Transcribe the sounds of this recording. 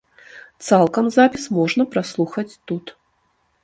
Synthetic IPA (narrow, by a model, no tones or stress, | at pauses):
t̪salˠkɐmzapʲismɔʐnɐpɾaslˠuxɐt͡sʲt̪ut̪